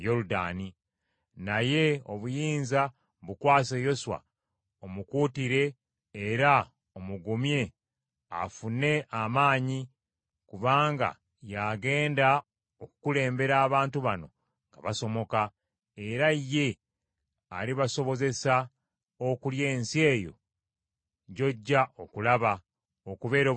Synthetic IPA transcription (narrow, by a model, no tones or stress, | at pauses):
jo̞luda̰ːni | naje̞o̞βujiːnza | βukwaːsejo̞swa̰ | omukuːtiɾe̞ː | ɾa | omuɡumje̞ | a̰fune̞ʔamaːɲi | kuβaːŋɡa̰ | jaːɡe̞ːnda | okukule̞ːmbe̞ɾaːβaːntuβano̞ | ŋɡa̰βaso̞mo̞ka | e̞ɾaje̞ | a̰liβaso̞βo̞ze̞sa | okuljeːnsie̞ːjo̞̰ | ɟo̞ɟːaʔo̞kulaβa | okuβe̞ːɾo